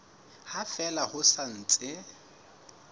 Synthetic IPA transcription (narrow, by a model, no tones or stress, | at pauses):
hafɛlahʊsan̩t͡sʼɪ